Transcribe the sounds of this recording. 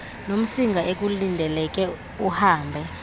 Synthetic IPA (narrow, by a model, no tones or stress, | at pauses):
nom̩siŋɡʱaʔek̬ʼulindʱɛlɛk̬ʼɛ | uhaːmbʱɛ